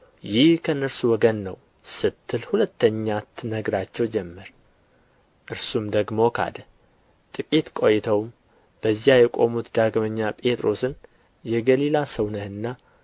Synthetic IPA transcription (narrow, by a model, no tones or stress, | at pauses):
jɪhkʰəɨnːəɾsuwɔɡənːəw | sɨt̪ʰːɨlhulət̪ːəɲːat̪ʰnəɡɾat͡ʃːɛwd͡ʒɛmːɨɾ | ʔɨɾsumd̪əɡmo̞kʰa̰d̪ə | t̪ʼɨkʼit̪kʼo̞jt̪ʰəwm | b̥əzjajɛkʼo̞mut̪d̪aɡməɲːapʼe̞t̪ʼɾo̞sɨn | jɛɡəlilasəwnəhɨnːa